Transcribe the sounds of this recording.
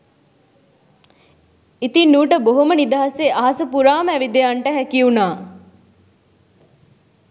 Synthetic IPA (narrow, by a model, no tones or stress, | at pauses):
it̪inːuːʈəboɦomənid̪aɦaseʔaɦɐsəpuɾaːmæʋid̪ejaɳʈəɦækiunaː